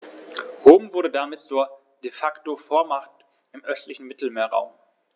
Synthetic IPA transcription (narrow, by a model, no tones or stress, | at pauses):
hoːmvʊɐɾədamɪt̚t͡suːɐ | d̥efaktofoːɐmaχtt | ʔɪmʔœstlɪçn̩mɪtl̩meːɐʁa̰ʊm